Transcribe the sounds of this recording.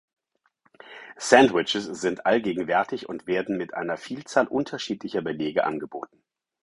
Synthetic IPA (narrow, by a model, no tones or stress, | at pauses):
sɛndwɪt͡ʃɪsz̥ɪntʔalɡeːɡŋ̩vɛɐtʰɪçʊntv̥eːɐdn̩mɪtʔa̰ɪnɐfiːlt͡saːlʔʊntʰɐʃiːtlɪçɐbəleːɡəʔa̰nɡəboːtn̩